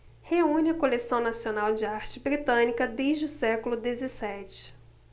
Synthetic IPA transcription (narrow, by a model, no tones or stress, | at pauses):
heũnɪɐkolesɐ̃w̃nasionawd͡ʒɪaɾt͡ʃɪbɾit̪ɐ̃nikɐd̪ejʒd͡ʒɪʊsɛkʊlʊd̪ezesɛt͡ʃɪ̥